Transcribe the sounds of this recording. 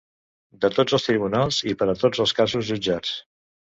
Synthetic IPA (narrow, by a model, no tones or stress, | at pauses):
d̪ət̪od͡zəlˠst̪ɾiβunalˠzipəɾət̪od͡zəlˠskazuzʒud͡ʒat͡s